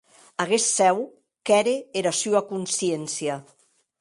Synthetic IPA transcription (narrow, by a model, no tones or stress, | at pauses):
aɣesːɛw | kɛɾeeɾasyakunsiensia